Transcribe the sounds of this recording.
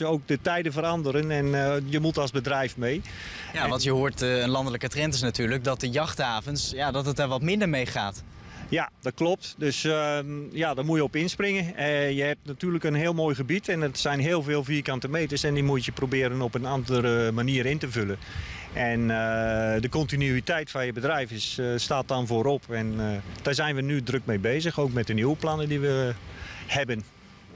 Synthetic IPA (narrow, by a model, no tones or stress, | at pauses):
owk̚dətɛjdəvəɾɑndəɾənɛnjəmutɑlˠzbədrɛjfmej | aʋɑntjəɦoːɹtənlɑndələkətrɛntɪsnatyːɹlək̚dɔt̚əjɑχthaːvənsjadɔtətəɹʋɔtmɪndəɹmejχa̰ːt | jadɔt̚klɔp̚tdøs | jadɔɹmuəjəɔpɪnsprɪŋəjəhɛp̚tnatyːləkənɦɪːəlˠmoːjɣəbitɛnətsɛjnɦɪːəlˠveːlˠviːkɑntəmeːtəɹsɛndimujtjəprobɪːɾənɔpənandərəmaniəɾɪntəvølən | ʔɛnədəkɔntinyitɛjtfanjəbədrɛjfɪsstaːt̚dɔnvoːɾɔpʰɛnd̥aːɹzɛjnʋənydrøk̚mejbeːzəxoːk̚mɛt̚dənuwəplanədiʋə | hɛbən